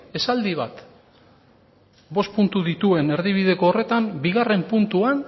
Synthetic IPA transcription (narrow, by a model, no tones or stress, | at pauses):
e̞sald̪iβa̰t̪ | bo̞spunt̪uðit̪ue̞ne̞ɾðiβ̞iðe̞ko̞ːre̞t̪ambiɣare̞mpunt̪uan